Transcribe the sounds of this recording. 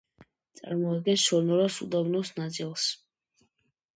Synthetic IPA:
t̪sʼa̰ɾmɔad̪̚ɡɛnsʃɔɾnɔɾɔsud̪abnɔsnat̪sʼilˠs

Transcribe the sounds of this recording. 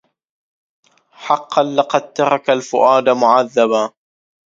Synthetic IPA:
ħɑqːɑnlɪqɑd̪̚t̪ːɑɾˤɑkalfʊʔaːd̪amʊʕaðːaba

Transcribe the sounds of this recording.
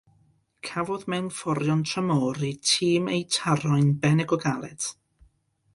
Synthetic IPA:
kʰavɔðmɛwnfɔɾjɔntʰrəmɔːɾitʰiːmejtʰaɾɔɨnbɛnɛɡɔɡalˠɛt

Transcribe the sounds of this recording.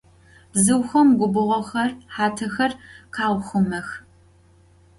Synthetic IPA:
b̥zɨwxɐmɡʷʊbɨʁʷɔxɐrħaːtʰɐxɐrqɑːʁʷʊxʷʊmɐx

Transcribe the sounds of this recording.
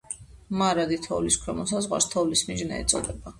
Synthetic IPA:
maɾad̪it̪ʰɔvliskʰɾɛmɔs̬azʁwa̰ɾst̪ʰɔvlismiʒnɛ̰ɛ̰t̪sʼɔd̪ɛba

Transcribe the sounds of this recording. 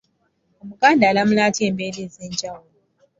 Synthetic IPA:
mukʼandalamlatembelizɪnd͡ʒaw

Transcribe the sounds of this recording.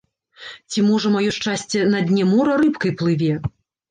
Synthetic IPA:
t͡sʲimɔʐɐmajɔʂt͡ʂasʲt͡sʲɛnɐd̪ʲnʲɛmɔɾɐɾɨpkɐjplˠɨvʲɛ

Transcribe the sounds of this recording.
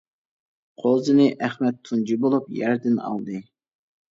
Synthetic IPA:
qʰolˠzɨnɨʔæχmɛt̪ʰːund͡ʒibolˠupjɛɾd̪ɪnɑ̰lˠd̪ɨ

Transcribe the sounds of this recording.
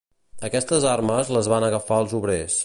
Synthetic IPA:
əkɛst̪əzarməzləzβanəɣəfaəlˠzuβɾes

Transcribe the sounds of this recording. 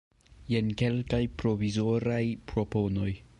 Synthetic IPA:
je̞nke̞lkajpɾo̞vizo̞ɾajpɾo̞po̞no̞j

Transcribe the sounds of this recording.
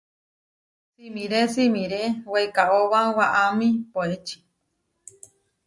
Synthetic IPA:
simĩɾesimĩɾeweekaʔoβawaʔamĩpoet͡ʃi̥

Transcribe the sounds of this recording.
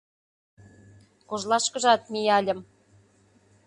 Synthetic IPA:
koʒlˠɑʃkɤ̆ʒɑt̪mʲijɑlʲə̆m

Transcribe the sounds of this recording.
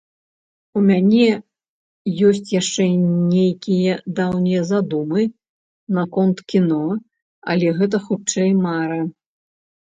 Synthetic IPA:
umʲanʲɛ | jɔsʲt͡sʲjaʂt͡ʂɛnʲejkʲijɐd̪awnʲijzad̪umɨ | nɐkɔnt̪kʲinɔ | ɐ̰lʲɛɣɛt̪̬ɐxut͡ʂɛjmaɾɐ

